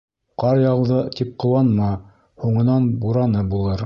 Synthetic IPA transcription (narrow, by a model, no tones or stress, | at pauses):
qɑɾjɑw̪ˠðɤt̪ip̚qŏwɑnmɑ | huɴɤ̆nɑnbuɾɑnɤbulˠɤɾ